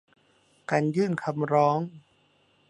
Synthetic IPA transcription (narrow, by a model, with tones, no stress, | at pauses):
kaː˧˩njɯː˥˩nkʰa˧mɾɔː˦˥ŋ